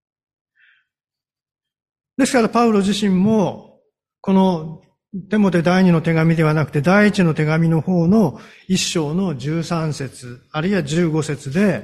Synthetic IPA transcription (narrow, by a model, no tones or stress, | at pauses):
d̪e̞sɨ̥kaɾapaɯ̟ɾo̞ʑiɕĩmːo̞ | ko̞no̞ | t̪e̞mo̞t̪e̞d̪aiɲ̟ino̞t̪e̞ɡamʲid̪e̞β̞anakɯ̟t̪e̞d̪aiːt͡ɕino̞t̪e̞ɡamʲino̞ho̞ːno̞ | iɕːo̞ːno̞ʑɨːsãɰ̃se̞t͡sɨaɾɯiβaʑɨːɡo̞se̞t͡sɨd̪e̞